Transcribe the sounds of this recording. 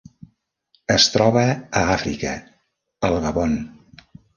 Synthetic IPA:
əst̪ɾɔβəːafɾḭkə | əlˠɣəβon

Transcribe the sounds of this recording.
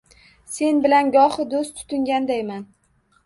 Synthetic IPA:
se̞nbɪlanɡɒhɪd̪ost̪ʰʊ̥t̪ʰʊŋɡʲand̪ajman

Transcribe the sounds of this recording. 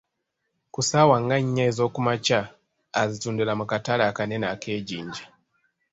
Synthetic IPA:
kusawaŋɡaɲɲazokumat͡ʃaː | zitundulamukatalaːkanenakʰeːɟiːɲɟḁ

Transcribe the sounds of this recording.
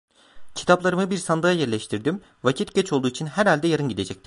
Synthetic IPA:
cʰi̥t̪ʰaplˠaɾɯmɯbiɾsand̪ajajɛɾlʲɛʃt̪ʰiɾd̪im | vacʰit̪ɟ̥ɛt͡ʃʰo̞lˠd̪uːit͡ʃʰinɦæɾhalʲd̪ɛjaɾɯnɟid̪e̞d͡ʒɛc̚t̪i̥

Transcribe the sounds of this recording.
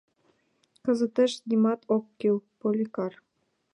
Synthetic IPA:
kɤ̆zə̆t̪ĕʃnʲimɑt̪ʰokːilpolʲikɑr

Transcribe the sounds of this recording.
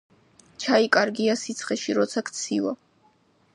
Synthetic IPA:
t͡ʃʰaikʼaɾɡiasit̪sʰχɛʃiɾɔt̪sʰakʰt̪sʰiva̰

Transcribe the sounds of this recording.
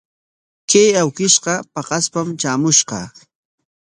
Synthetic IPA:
kajawkɪʃqɑpɑqɑspamt͡ʃaːmʊʃqɑ̰

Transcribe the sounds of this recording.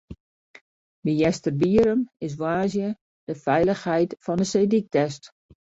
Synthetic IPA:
mijɛstərbiəɾəmɪs̬ʋaːzjə | d̥əfɛjləxhɛjtfɔndəseːdik̚tɛst

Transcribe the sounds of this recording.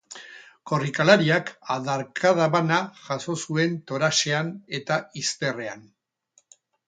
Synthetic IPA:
ko̞rikalaɾiakaðaɾkʰað̞aβanaʝaso̞sue̞nt̪o̞ɾaʃe̞ane̞t̪aist̪e̞re̞a̰n

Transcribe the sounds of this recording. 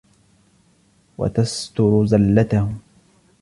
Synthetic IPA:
wa̰t̪ast̪ʊɾʊzalːat̪ahʊ

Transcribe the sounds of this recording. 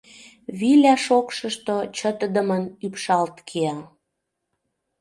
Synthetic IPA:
βilʲæʃokʃəʃt̪ot͡ɕə̆t̪əd̪əmənypʃɑlt̪kʰeɑ

